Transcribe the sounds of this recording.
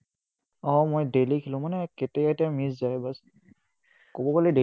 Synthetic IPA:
ɔmojdelikʰilʊ̃manɛketɛɛtɛamiszajbas | kobɔkalide

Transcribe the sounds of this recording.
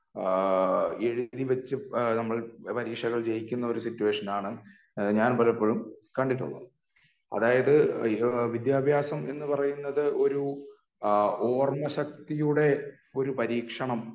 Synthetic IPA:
eɻiðiʋɐt͡ɕːɨnɐmːɐɭpɐɾiːkʂɐɣɐɭd͡ʑejikʲːunːɐo̞ɾusitːuweːʂɐnaːɳɨ | ɲaːnpɐlɐpːoːɻumkɐɳɖiʈ̬ːṵɭːɐ̰ | ɐ̰ðaːjɐðɨ | ʋid̪jaːbʱjaːsɐme̞nːɨpɐrɐjunːɐðɨʔo̞ɾu | oːrmɐɕɐk̚t̪ijuɽe̞ | o̞ɾupɐɾiːkʂɐɳɐm

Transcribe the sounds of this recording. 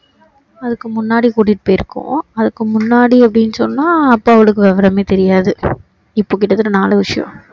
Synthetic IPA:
ɐðɯkːɯmʊnːaːɽikuːʈːɪʈːɯpoːjɪɾɯkːʊ̰̃ɐðɯkːɯmʊnːaːɽiɐpːɐɽɪnːɯsɔnːaːɐpːaːɐʋɐɭɯkːɯʋɛʋɐɾɐmeːt̪ɛɾɪjaːðɯ | ɪpːoːk̬ːɪʈːɐt̪ːɯlːɯnaːlɐʋɪʂɐjɔ̰̃

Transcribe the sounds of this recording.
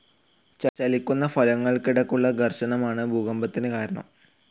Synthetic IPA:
t͡ɕɐt͡ɕɐlikʲːunːɐfɐlɐŋːɐɭkiɽɐkːuɭːɐɡʱɐrɕɐɳɐmaːɳɨbʱuːɣɐmbɐt̪ːinɨkaːɾɐɳɐ̰m

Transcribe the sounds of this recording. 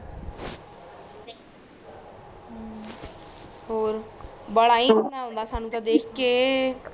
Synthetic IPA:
ɦoːɾbəɽaːiːnaːɦõːnd̪aːsaːnũːt̪ãːd̪eːkʰkeː

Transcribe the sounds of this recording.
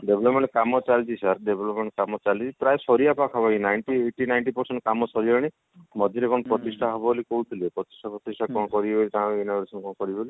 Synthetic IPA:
ɖebʱlɔpmẽɳʈkamɔt͡ʃalt͡ʃisaɾɖebʱɔlɔpmeɳʈkamɔt͡ʃalt͡ʃipɾajsɔɾijapakʰɔbainajɳʈieʈinajɳʈipɔɾseɳʈkamɔsɔɾiaɽ̃i | mɔd̪ʱjɔɾekɔnɔpɾɔt̪isʈʰaɦobɔolikoɦut̪ʰilepɾɔt̪i̥sʈʰapɾɔt̪isʈʰakɔɽ̃ɔkɔɾibɔlit̪ãinabeɾesɔnkɔɽɔkɔɾibboli

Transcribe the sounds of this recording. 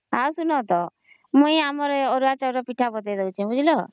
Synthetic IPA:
awsunɔt̪ɔmũĩamɔɾeɔɾuat͡ʃaɾɔpiʈʰabɔt̪ajd̪ɔut͡ʃʰãbud͡ʒilɔ

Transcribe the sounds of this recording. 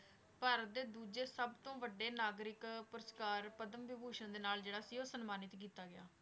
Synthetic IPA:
pəɾd̪eːd̪uːd͡ʒeːsəbt̪õːʋəɖːeːnaːɡɾɪkpʊɾəskaːɾpəd̪əmʋɪbʱuːʃə̃nd̪eːnaːld͡ʒeːɽaːsiːoːsənmaːnɪt̪kiːt̪aːɡɪja̰ː

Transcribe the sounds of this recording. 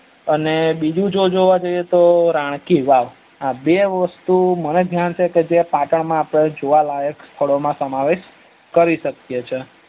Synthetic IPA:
ənebid͡ʒũd͡ʒod͡ʒoʋad͡ʒoiet̪oɾãɽ̃kiʋaʋ | abeʋəst̪uməned̪ʱjant͡ʃʰeked͡ʒepaʈəɳmãːpɽ̃ed͡ʒoʋalajəkst̪ʰəɭomãsəmaʋeʃ | kəɾiʃəkjet͡ʃʰe

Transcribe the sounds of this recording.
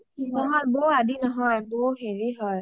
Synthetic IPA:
nɔ̃ɦɔjboadinɔɦɔjboɦeɾiɦɔj

